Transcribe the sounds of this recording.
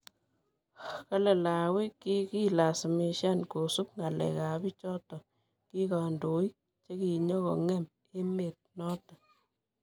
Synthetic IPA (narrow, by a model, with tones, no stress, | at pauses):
ka˦le˨la˨wi˦ki˦ki˦la˨sme˨ʃa˦nko˨su˦k̚ŋa˨lɛ̰˨ka˨bi˦t͡ʃɔ˦tɔ˨ | ki˦ka˨ndo˨i˦ | t͡ʃe˦ki˨ɲɔ˦kɔ˨ŋɛ˦m | e˦me˨t̚nɔ˦ta˨